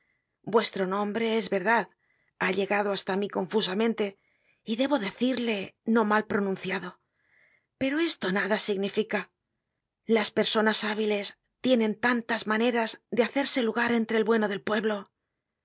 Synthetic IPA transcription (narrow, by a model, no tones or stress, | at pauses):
bwe̞st̪ɾo̞nõ̞mbɾe̞ezβe̞ɾðað | aʎe̞ɣaðoast̪amiko̞ɱfus̬amẽ̞nt̪e̞ | iðe̞βo̞ðe̞θiɾle̞no̞malpɾo̞nũn̟θjaðo̞ | pe̞ɾo̞e̞st̪o̞naðasiɣnifika | laspe̞ɾso̞nasaβile̞s | t̪je̞nẽ̞nt̪ant̪azmane̞ɾazðeaθe̞ɾse̞luɣaɾe̞nt̪ɾelβwe̞noðe̞lpwe̞βlo̞